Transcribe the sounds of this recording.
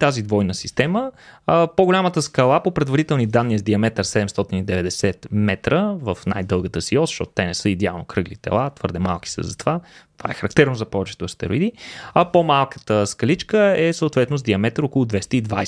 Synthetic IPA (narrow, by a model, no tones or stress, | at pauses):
t̪azid̪vɔjnəsi̥st̪ɛməpoɡolʲamət̪əskɐlˠapopɾɛd̪vɐɾit̪ɛlˠnid̪anːiəzd̪iɐmɛt̪əɾsɛd̪ɛmst̪ɔt̪inid̪ɛvɛd̪ɛsɛt̪mɛt̪ɾəvəfna̰jd̪ɤlˠɡət̪əsiɔzəʃtɔt̪o̥t̪ɛnɛsɤid̪ɛa̰lˠnokɾɤɡlit̪ɛ̰lˠat̪vɤɾd̪ɛma̰lˠk̟i̥sə̰zɐt̪ovat̪ova̰ɛxəɾɐkt̪ɛɾnozɐpɔvɛt͡ʃɛ̥t̪oɐst̪ɛ̰ɾo̰id̪iɐpomalˠkə̥t̪əskɐlit͡ʃkəɛsəot̪vɛt̪nozd̪iɐmɛt̪əɾokʊlˠʊd̪vɛst̪əid̪vaj